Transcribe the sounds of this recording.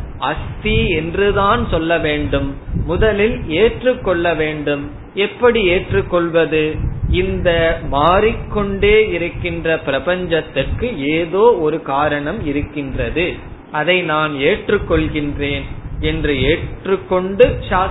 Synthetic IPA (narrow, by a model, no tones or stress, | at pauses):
ɐst̪iɛndrɯðaːnsɔlːɐʋeːɳɖɯmːʊðɐlɪleːʈrɯkːɔɭːɐʋeːɳɖɯm | ɛpːɐɽieːʈrɯkːɔɭʋɐðɯɪnd̪ɐmaːɾɪkːɔɳɖeːɪɾɯkːɪndrɐpɪɾɐpɐɲd͡ʒɐt̪ːɪrkɯeːðoːɔɾɯkaːɾɐɳɐmɪɾɯkːɪndrɐðɯ | ɐðɐɪnaːneːʈrɯkːɔɭɣɪndreːnɛndrɯeːʈrɯkːɔɳɖɯʃaː